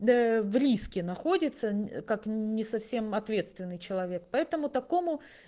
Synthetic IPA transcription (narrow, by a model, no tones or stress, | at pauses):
əvɾʲiskʲɪnɐxo̞dʲɪt̪səkaknʲɪsɐfsʲe̞mɐt̪vʲe̞t̪st̪vʲɪnːɨjt͡ɕɪlˠɐvʲe̞k̚pɐɛt̪əmʊt̪ɐko̞mʊ